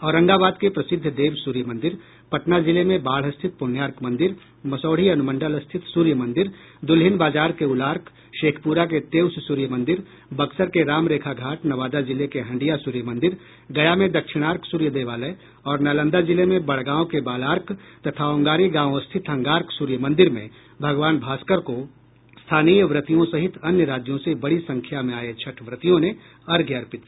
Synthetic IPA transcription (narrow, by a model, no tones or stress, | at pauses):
ɔːɾɐ̃ŋɡabaːd̪kepɾɐsɪd̪ʱːd̪eːʋsuːɾjəmɐ̃nd̪ɪɾ | pɐʈnazɪlemẽbaːl̤ɦɐst̪ʰɪt̪̚pʊnjaːɾkmɐ̃nd̪ɪɾ | mɐsɔːɽ̤iɐnʊmə̃ɳɖəlɐst̪ʰɪt̪suːɾjəmɐ̃nd̪ɪɾ | d̪ʊlɦɪnbaːd͡ʒaːɾkeʊlaːɾk | ʃeːkʰpuːɾak̬et̪eːwssuːɾjəmɐ̃nd̪ɪɾ | bɐksəɾkeɾaːmɾeːkʰaɡʱaːʈnɐʋaːd̪azɪlekeɦɐ̃ɳɖijasuːɾjəmɐ̃nd̪ɪɾ | ɡɐjamẽd̪ɐkʃɪɽ̃aːɾkʰsuːɾjəd̪eːʋaːle | ɔːɾnaːlə̃nd̪ad͡ʒɪlemẽbɐɽ̤ɡãːõkebaːlaːɾkʰt̪ɐt̪ʰaõːŋɡaːɾiɡãːʋõst̪ʰɪt̪ɦɐ̃ŋɡaːɾksuːɾjəmɐ̃nd̪ɪɾmḛ̃ | bʱɐɡʋaːnbʱaːskəɾko | st̪ʰaːniːjəʋɾɪt̪ijõsɐɦɪt̪ʰɐnjəɾaːd͡ʒjõsebɐɽisɐ̃ŋkʰjamẽaːet͡ʃʰɐʈʰʋɾɪt̪ijõne | ɐɾɡʱjɐɾpɪt̪